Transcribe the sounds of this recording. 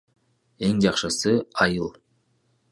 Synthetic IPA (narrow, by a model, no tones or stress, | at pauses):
e̞ŋd͡ʒɑqʃɯsɯɑjɯlˠ